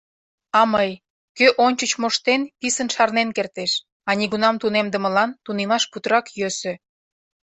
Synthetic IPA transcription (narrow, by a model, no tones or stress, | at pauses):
ɑməj | køʔonʲt͡ɕət͡ɕmoʃt̪enpisənʃɑrnenkert̪eʃ | ɑnʲiɣunɑmt̪unemd̪ə̆mə̆lɑnt̪unemɑʃput̪ɾɑkjøsø̆